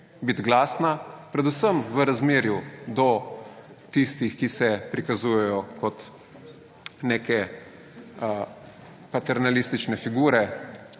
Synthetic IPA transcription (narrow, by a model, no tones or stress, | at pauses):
bit̪ɡlaːsnapɾɛd̪usəmʋəɾazmeːɾjud̪ɔ | t̪ist̪ixkisɛpɾikazuːjɛjɔkɔt̪ | nekɛ | pat̪ɛɾnalist̪it͡ʃnɛfiɡuːɾɛ